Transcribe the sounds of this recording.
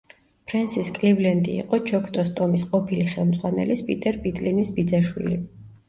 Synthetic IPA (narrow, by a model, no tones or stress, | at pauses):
pʰɾɛnsiskʼlivlɛnd̪ḭːqʼɔt͡ʃʰɔkʰt̪ʼɔst̪ʼɔmisqʼɔpʰiliχɛlˠmd̪zʼʁwanɛ̰lispʼit̪ʼɛɾpʼit̪ʼlinisbid̪zaʃwḭli